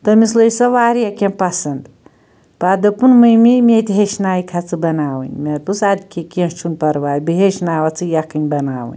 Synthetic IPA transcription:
t̪ɐmisləjsɐʋaːɾjɐkʲẽmpɐsɐnd̪ | pad̪ɐpunmɨjmimʲet̪ʲɦeʃnaːjikʰat͡sɨbɐnaːʋɨ̰nʲmetpusad̪kʲekʲẽt͡ʃʰunpɐɾʋaːjbiɦeʃnaːʋɐt͡sɨjɐkɨnʲbɐnaːʋɨ̰nʲ

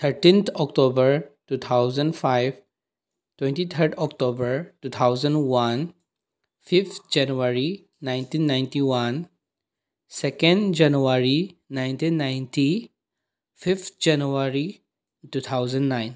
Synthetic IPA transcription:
t̪ʰəɾʈĩnt̪ʰɔkʈoːbəɾʈuːt̪ʰaʊzə̃ɳɖfaɪʋ | ʈwɛ̃ɳʈit̪ʰəɾɖɔkʈoːbəɾʈuːt̪ʰaʊzə̃ɳɖwãn | fɪft̪ʰd͡ʒɛnʋəɾi | nãɪ̃ntĩːnːãɪ̃nʈiwãn | sɛkə̃ɳɖd͡ʒanuʋaɾinãɪ̃nt̪ĩːnːãɪ̃nti | fɪft̪ʰd͡ʒɛnuəɾi | ʈuːt̪ʰaʊzə̃ɳɖnãɪ̃n

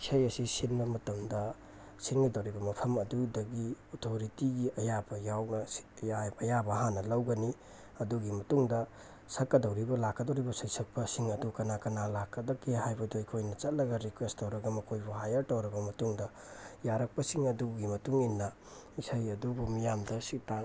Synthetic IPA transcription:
isajɐsisinbɐmɐtɐmdɐ | siŋɡidɐwɾibɐmɐpʰɐmɐdudɐɡiotʰoɾitiɡiʔɐjabɐjawnɐsi̥jabɐjabɐɦanːɐlɐwɡɐni | ɐduɡimɐtuŋdɐ | sɐkːɐdɐwɾibɐlakːɐdowɾibɐsɐjsɐk̚pɐsiŋɐdukɐnakɐnalakːɐdɐkeɦajbɐduikʰojnɐt͡ʃɐt̚lɐɡɐɾikwestowɾɐɡɐmɐkʰojbuhajɐɾtɐwɾɐɡɐmɐtuŋdɐ | jaɾɐk̚pɐsiŋɐduɡimɐtuŋinːɐ | isʰajɐdubumijamdɐsik̚taŋ

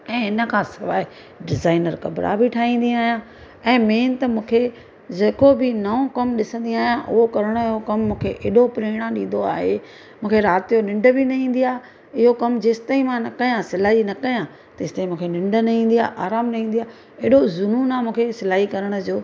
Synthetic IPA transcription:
ɛ̃ːɦɪnə̆kʰãːsɐʋaːi | ɖɪzaːɪnəɾkɐbɾa̰bʱɪʈʰaːɦĩːn̆d̪ĩaːɦijã | ɛ̃ːmeːnt̪ɐmũːkʰe | d͡ʑɐːkobʱɪnɐõkɐmɗɪsə̃nd̪iaːɦijãʔʊ̰ɦokɐɾəɽ̃əɪɦokɐmːũːkʰeʔeːɗopɾeːɽ̃ãɗĩːn̆d̪oa̰ːɦe | mũːkʰeɾaːt̪ijonɪ̃ɳɖə̆bʱɪnɐɦĩːn̆d̪ijaː | ɪɦokɐmd͡ʑeːst̪aːĩmãnɐkɐjãsɪlaːɦinɐkɐjã | t̪ɐɪst̪aːĩmũːkʰenɪ̃ɳɖənɐɦĩːn̆d̪iaːʔaːɾaːmnɐɦĩːnd̪ijaː | eːɗozʊnuːnaːmũːkʰesɪlaːɦikɐɾəɽ̃ə̆d͡ʑoː

